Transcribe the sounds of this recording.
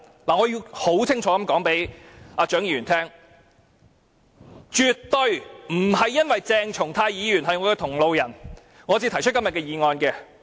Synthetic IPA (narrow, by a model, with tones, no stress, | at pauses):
laː˨ŋɔː˨˧ji˧who˨˥wt͡sʰɪ˥ŋt͡ʃʰɔː˨˥kɐ˨˥mkɔː˨˥ŋpe˨˥jaː˧t͡ʃœː˨˥ŋjiː˧˩yː˨˩nt̪ʰɛː˥ŋ | t͡ʃyː˨˧t̚t̪ɵ˧ɥm̩˨˩ɦɐ˨jːɐ˥nwɐ˨jt͡sɛː˧ŋt͡ʃʰʊ˨˩ŋt̪ʰaː˧jjiː˨˧jyː˨˩nɦɐ˨jŋɔː˨˧kɛː˧t̪ʰʊ˨˩ŋlo˨wjɐ˨˩n | ŋɔː˨˧t͡siː˧t̪ʰɐ˨˩jt͡ʃʰɵ˥t̚kɐ˥mjɐ˨t̚kɛː˧jiː˨ŋɔː˧nkɛː˧